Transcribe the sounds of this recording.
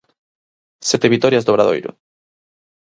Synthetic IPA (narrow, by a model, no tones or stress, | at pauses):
sɛt̪eβit̪ɔɾjazðoβɾaðo̰jɾʊ̰